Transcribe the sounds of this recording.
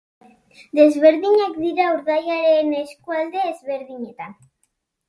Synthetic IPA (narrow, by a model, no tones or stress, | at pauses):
d̪e̞zβe̞ɾðiɲakd̪iɾauɾðajaɾeneskuald̪e̞ːzβe̞ɾðiɲe̞t̪an